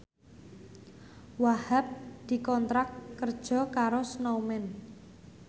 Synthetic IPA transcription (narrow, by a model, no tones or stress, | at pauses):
wahap̚d̪̥i̤kɔnt̪ɾakːərd̥ʒ̥ɔ̤kaɾosnowmɛn